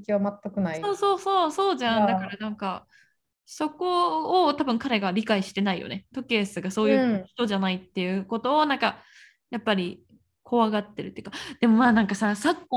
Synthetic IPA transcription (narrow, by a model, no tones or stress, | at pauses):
kʲiβamat̪ːakɯ̟naisoːso̞ːso̞ːso̞ːʑãndd̪akaɾanãŋka | so̞ko̞ːt̪abɯ̟̃ŋkaɾe̞ɡaɾʲikaiɕi̥t̪e̞naijo̰net̪o̞ke̞ːsɨɡaso̞ːjɯ̟ːɯçi̥t̪o̞ʑanait̪ːe̞jɯ̟ko̞t̪o̞ːnãŋka | japːaɾʲi | kʰo̞βaɡat̪ːe̞ɾɯ̟t̪ːeiɯ̟kad̪̥e̞mo̞maːnãŋkasasakːo